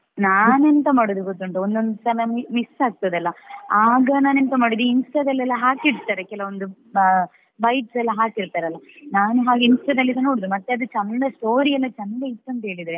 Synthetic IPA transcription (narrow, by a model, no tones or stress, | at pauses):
naːnent̪ɐmaːɽud̪uɡot̪ːɐɳʈuond̪ond̪sɐnɐmmisaːɡ̚t̪ɐd̪ɛlːɐaːɡɐnaːnent̪ɐmaːɽud̪uinsʈɐd̪ɐlːɛlːɐɦaːkiɾt̪aːɾekɛlɐond̪u | bɐjʈsɛlːɐɦaːkiɾt̪aːɾɐlːɐnaːnuɦaːɡeinsʈɐd̪ɐlːid̪ɐnoːɽd̪umɐt̪ːeɐd̪ut͡ʃɐndɐsʈo̞ːɾiɛlːɐt͡ʃɐnɐdɐit̪ːuɐnt̪ɐɦeːɭid̪ɾe